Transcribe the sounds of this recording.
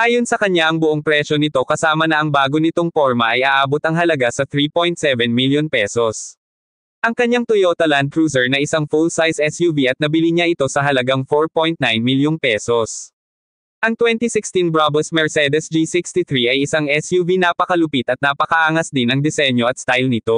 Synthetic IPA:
ʔaːjo̞nsɐkɐɲaʔɐŋbʊʔoŋpɾɛʃo̞nɪt̪o̞kɐsaːmɐnɐʔɐŋbaːɡonɪt̪o̞ŋpo̞ɹmɐʔɐjʔaʔaːbot̪ɐŋɦɐlɐɡasɐt̪ɾipojnt̪sɛvɛnmiljonpɛso̞s | ʔɐŋkɐɲːaŋt̪ʊjot̪ɐland̪̚kɹuːsɛɹnɐʔɪsaŋfulsajsʔɛsjuviʔɐt̪̚nɐbɪliɲaʔɪt̪o̞sɐɦɐlɐɡaŋfoɹpojnt̪najnmiljoŋpɛso̞s | ʔɐŋt̪wɛnt̪isɪkst̪inbɹabɛlsmɛɹsɛd̪ɛsd͡ʒisikst̪it̪ɹiʔɐjɪsaŋʔɛsjuvinapɐkɐlʊpit̪ɐt̪̚napɐkɐʔaːŋɐsd̪ɪnɐŋd̪ɛsɛɲjo̞ʔɐt̪st̪ajlnɪt̪o̞

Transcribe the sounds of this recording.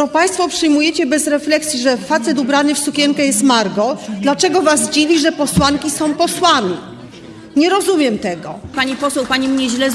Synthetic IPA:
nɔpaj̃st̪fɔpʂɘjmujɛt͡ɕɛbɛzɾɛflɛksʲjiʐɛfat̪sɛt̪ubɾanɘfsukʲɛŋkɛjɛst̪maɾɡɔd̪lat͡ʂɛɡɔvazd͡ʑivʲiʐɛpɔswaŋkʲisɔ̃w̃pɔswamʲi | ɲɛɾɔzumʲjɛmt̪ɛɡɔpaɲipɔswɛwpaɲimɲɛʑlɛ

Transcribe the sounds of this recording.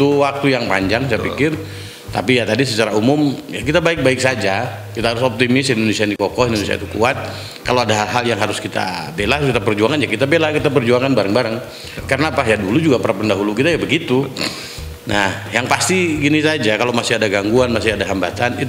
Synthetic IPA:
t̪uwak̚t̪ujaŋpa̰ɲd͡ʒaŋst͡ʃapikɪr | t̪a̰pijat̪adis̬ət͡ʃaɾaumʊmjakit̪abaɪk̚baɪk̚sad͡ʒa | kit̪aɦaɾʊsɔp̚t̪imɪsindonesianikɔkɔhindonesia̰ḭt̪ukuat̪̚ | kaloadaɦalɦaljaŋɦaɾʊskit̪a̰belakit̪apərd͡ʒuaŋanjakit̪abelahkit̪apərd͡ʒuaŋanbaɾaŋbaɾaŋ | kaɾənapajadulud͡ʒuɡapaɾapəndaɦulukit̪ajabəɡit̪u | nahjaŋpast̪iɡinisad͡ʒakalowmasɪadaɡaŋɡuanmasɪadaɦambat̪anit̪

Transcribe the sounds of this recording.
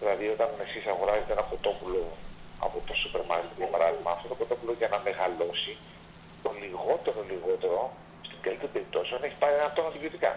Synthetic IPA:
ðilɐðio̞t̪ɐne̞sisɐɣo̞ɾɐzet̪eenɐpɾo̞t̪o̞pulo̞ɐ̰po̞t̪o̞supe̞ɾmɐ̰ɾke̞t̪ʝɐpɐɾɐðiɣmɐːft̪o̞t̪o̞pɾot̪o̞puloʝɐnɐme̞ɣɐlo̞si | t̪oliɣo̞t̪e̞ɾo̞liɣo̞t̪e̞ɾo̞ | st̪ind̪elt̪ibe̞ɾip̚t̪o̞sioneçi̥pɐɾienɐft̪onɐt̪iviot̪ikɐ̰

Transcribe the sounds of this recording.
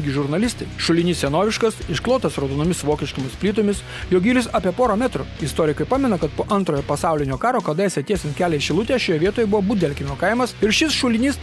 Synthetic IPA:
ɡʲɪʒʊɾnɐlʲɪst̪ɐɪʃʊlʲɪnʲissʲɛnoːʋʲɪʃkɐsɪʃklˠoːt̪ɐsɾoːd̪oːnomʲɪsʋoːkʲɛʃʲt̪omʲɪsʲpʲlʲiːt̪oːmʲɪs | joːɡʲiːlʲʊsɐpʲiɛpoːɾɐmʲæt̪ɾʊɪst̪oːɾʲɪkɐɪpɑːmʲɛnɐkɐt̪poːʔɐnt̪ɾoːjoːpɐsɑʊlʲɪnʲoːkɑːɾoːkɐd̪ɐjɛsʲɛt̪ʲiːɛsʲɪnkʲæːlʲɛɪʃʲɪlˠʊt̪ʲeʃʲoːjɛʋʲiɛt̪oːjɛbʊʋoːbuːd̪ʲɛlʲkʲɪnʲoːkɐɪmɐsɪɾʃʲɪsʃʊlʲɪnʲiːs

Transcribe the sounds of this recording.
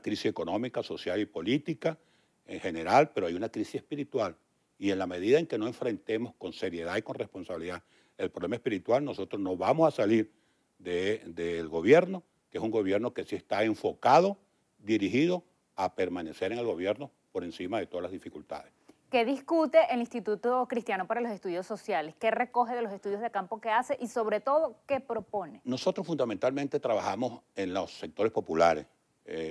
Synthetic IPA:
akɾisise̞ko̞no̞mikaso̞sjalipo̞lit̪ika | eŋhe̞ne̞ɾalpe̞ɾoajunakɾisisehpiɾit̪wal | ie̞nlame̞ð̞iðae̞ŋke̞no̞e̞ɱfɾe̞nt̪e̞mo̞sko̞nse̞ɾje̞ðaiko̞nre̞spo̞nsaβiliða | e̞lpɾoβlemaespiɾit̪walno̞so̞t̪ɾosno̞βamosasaliɾ | d̪ed̪elɡo̞βje̞ɾno̞ | keesuŋɡo̞β̞je̞ɾno̞kesie̞st̪ae̞ɱfo̞kaðo̞ | d̪iɾihiðo̞ | ape̞ɾmane̞se̞ɾeŋe̞lɣo̞βje̞ɾno̞ | po̞ɾe̞nsimaðe̞t̪o̞ðalazðifikult̪a̰ðeske̞ðiskut̪e̞ʔelĩnst̪it̪ut̪okɾist̪jano̞paɾalosest̪uðjo̞sːo̞sjaleske̞re̞ko̞ɦe̞ðelo̞sest̪uðjo̞zðekampo̞ke̞ase̞ʔiso̞βɾe̞t̪o̞ðo̞ke̞pɾo̞poneno̞so̞t̪ɾosfund̪ament̪alment̪e̞t̪ɾaβaxamosenlosːek̚t̪o̞ɾespo̞pulaɾes

